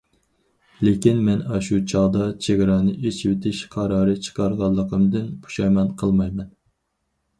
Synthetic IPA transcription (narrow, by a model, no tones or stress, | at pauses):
lekʲinmɛnɑʃut͡ʃʰɑʁd̪ɑt͡ʃʰeɡʲɾɑnɨʔet͡ʃʰwet̪ʰɪʃqʰɑɾɑːɾɨt͡ʃʰə̥qʰɑɾʁɑlˠːəqʰəmd̪ɨnpʰu̥ʃɑjmɑnqʰəlˠmɑjmɛn